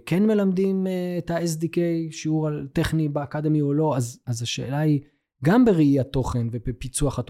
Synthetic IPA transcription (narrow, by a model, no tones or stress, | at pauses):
kʰenme̞lamd̪imetaes̬dikejʃiuʁalt̪eχnibeakad̪emiolo̞azazaʃe̞̰ːlai | ɡambeʁiiat̪o̞χe̞nvebepit͡suaχat